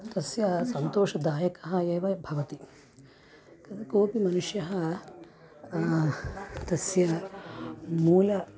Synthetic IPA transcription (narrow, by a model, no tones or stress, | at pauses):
t̪ɐsjɐsɐnt̪oːʂɐd̪aːjɐkɐɦɐjɐːʋɐbʱɐʋɐt̪i | ɐkoːpimɐnuʂjɐɦɐ | t̪ɐsjɐ | muːlɐ